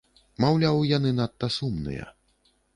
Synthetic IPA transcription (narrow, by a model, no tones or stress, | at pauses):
mawlʲawjanɨnat̪ːɐsumnɨ̰jɐ̰